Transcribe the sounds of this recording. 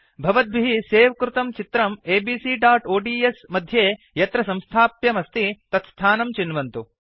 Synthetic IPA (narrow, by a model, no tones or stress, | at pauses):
bʱɐʋɐd̪̚bʱiɦiseːʋɐkɾut̪ɐmt͡ʃit̪ɾɐmeːbiːsiɖaːʈoːɖiːesmɐd̪ʱjeː | jɐt̪ɾɐsɐ̃mst̪ʰaːpjɐmɐst̪it̪ɐt̪st̪ʰaːnɐmt͡ʃinʋɐnt̪u